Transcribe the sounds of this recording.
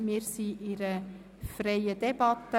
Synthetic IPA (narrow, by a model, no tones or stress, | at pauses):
mɪːɾsiʔɪɾə | frejəd̥ɛb̥ɑt̪ːə